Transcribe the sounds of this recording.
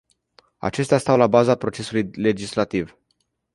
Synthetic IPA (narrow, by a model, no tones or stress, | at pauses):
a̰t͡ʃe̞st̪east̪awlabazapɾo̞t͡ʃe̞sulujle̞d͡ʒislat̪iv